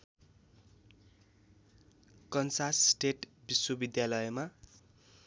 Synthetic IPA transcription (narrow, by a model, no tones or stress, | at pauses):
kʌnsassʈeʈbiswʌbid̪jalʌjma